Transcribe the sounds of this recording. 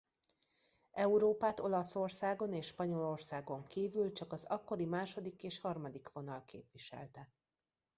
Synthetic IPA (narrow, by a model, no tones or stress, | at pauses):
ʔɛuɾoːpaːt̪o̞lɒso̞rsaːɡo̞neːʃʃpɒɲo̞lo̞rsaːɡo̞ŋkiːvylt͡ʃɒkɒzɒkːo̞ɾimaːʃo̞d̪ikeːʃhɒrmɒd̪ikʋo̞nɒlkḛːpʋiʃɛ̰lt̪ɛ